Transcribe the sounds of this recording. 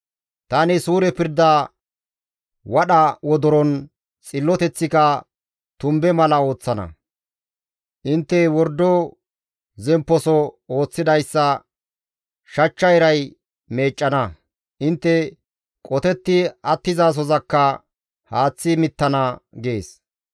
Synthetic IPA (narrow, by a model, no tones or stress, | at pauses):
t̪ɐnɪsuːɾɛpɪɾd̪ɐ | wɐɗɐwɔd̪ɔɾɔn | t͡sʼɪlːɔt̪ɛt͡sːɪkɐ | t̪ʊmbɛmɐlɐo̞ːt͡sːɐnɐ̰ | ʔɪnt̪ːɛwɔɾd̪ːɔ | zɛmpːɔsɔo̞ːt͡sːɪd̪ɐjsːɐ | ʃɐt͡ʃːɐjɾɐj | meːt͡ʃʼːɐnɐ | ʔɪnt̪ːɛ | kʼɔt̪ɛt̪ːɪɐt̪ːɪzaːs̬ɔzɐkːɐ | haːt͡sːɪmɪt̪ːɐnɐɡe̞ːs